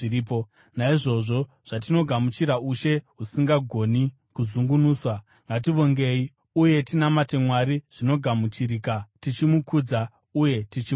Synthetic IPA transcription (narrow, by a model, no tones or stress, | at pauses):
iiːpo | naiʐo̞ʐo̞ | ʐ̥at̬ino̞ɡʱamut͡ʃiɾauʃe̞ɦusiŋɡaɡʱo̞ni | kuzuŋɡunuːswa | ŋɡat̬iʋo̞ŋɡe̞i | uje̞tinamate̞mwaɾiʐ̥ino̞ɡʱamut͡ʃirikatit͡ʃimukuːd͡za | uje̞tit͡ʃi